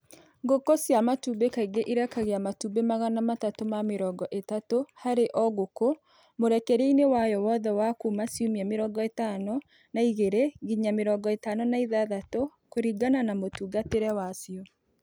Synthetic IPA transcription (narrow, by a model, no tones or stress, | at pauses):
ɡokɔsjamatuːbekaiɡeʔiɾakaɣeamatuːbemaɣanamatatomameɾɔɡɔʔetatohaɾeʔɔɣoko | moɾɛkɛɾeinewajɔwɔðɛwakumasiomiameɾɔɡɔetanɔ | naiɣeɾeɣiɲameɾɔɡɔetaːnɔnaiðaðatokoɾiɡananamotuːɡateɾɛwasijɔ